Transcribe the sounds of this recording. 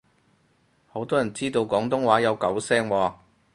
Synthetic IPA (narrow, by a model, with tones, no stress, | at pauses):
ho˨˧˥wt̪ɔː˥jɐ˨˩nt͡siː˥t̪o˧wkɔː˨˥ŋt̪ʊ˥ŋwaː˨˥jɐ˨˧wkɐ˨˥wsɛː˥ŋwaː˨˧